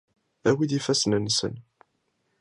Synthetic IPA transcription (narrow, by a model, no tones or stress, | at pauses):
æwiðifæsnənːsə̰n